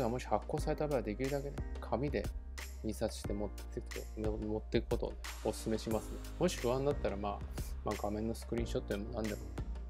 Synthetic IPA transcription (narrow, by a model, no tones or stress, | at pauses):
ɡamo̞ɕi̥hakːo̞ːsaɾe̞t̪abe̞ɡad̪e̞kʲiɾɯ̟d̪ake̞d̪ekʰamʲid̪e̞̰ | mʲisasɨ̥ɕi̥t̪e̞mot̪ː | ek̪omot̪ːe̞kɯ̟ko̞t̪o̞̰ | osɨ̥sɨme̞ɕimasɨnemo̞ɕi̥ɸɯ̟βãnd̪at̪ːaɾamaːmaːɡamẽ̞nːo̞sɨ̥kɯɾʲĩɰ̃ɕo̞t̪ːojemo̞nãnd̪e̞mo̞ne